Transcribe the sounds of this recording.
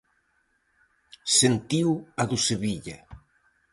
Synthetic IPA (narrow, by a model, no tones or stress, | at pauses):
sent̪iwaðuseβiʎɐ